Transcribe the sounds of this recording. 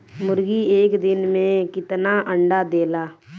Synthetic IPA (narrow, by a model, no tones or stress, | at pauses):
mʊɾɡieːkd̪ɪnmẽkɪt̪naːʔə̃ɳɖaːd̪eːlaː